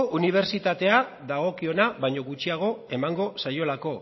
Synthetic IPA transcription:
uniβ̞e̞ɾt͡ʃit̪at̪e̞a | ðaɣ̞o̞kio̞naβajɲo̞ɣut͡ʃiaɣ̞o̞e̞maŋɡo̞sajo̞lako̞

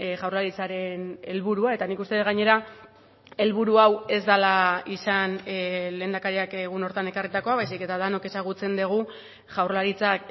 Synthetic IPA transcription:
ʝawɾlaɾit͡saɾe̞ne̞lβuɾuae̞t̪anikust̪e̞ɣaɲe̞ɾa | e̞lβuɾuawe̞zd̪alaisanle̞ːnd̪akaɾiakeɣuno̞ɾt̪ane̞karit̪ako̞aβajs̬ike̞t̪aðano̞ke̞saɣ̞ut͡se̞nd̪eɣ̞u | ʝawɾlaɾit͡sak

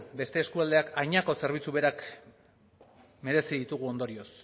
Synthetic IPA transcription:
be̞st̪e̞ːskuald̪e̞akajɲako̞se̞ɾβ̞it͡suβe̞ɾak | me̞ɾe̞siðit̪uɣ̞uo̞nd̪oɾio̞s

